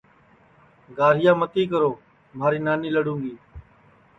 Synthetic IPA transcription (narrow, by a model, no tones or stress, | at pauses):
ɡaːɾ̤ɪjaːmət̪iːkəɾoː | maːɾiːnaːniːləɽũːŋɡiː